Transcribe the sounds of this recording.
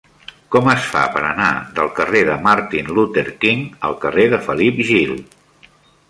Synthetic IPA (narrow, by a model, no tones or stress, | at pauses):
kɔməsfa̰pəɾəna̰ðəlˠkəreðəmaɾt̪inlut̪əɾkiŋəlˠkəreðəfəlipʒilˠ